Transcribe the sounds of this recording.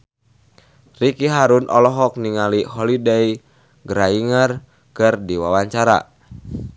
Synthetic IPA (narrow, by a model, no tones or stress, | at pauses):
rikiɦaɾunʔɔlɔɦɔk̚niŋaliɦɔlidɛi | ɡəɾaiŋər | kɨrdiwawaɲt͡ʃaɾa̰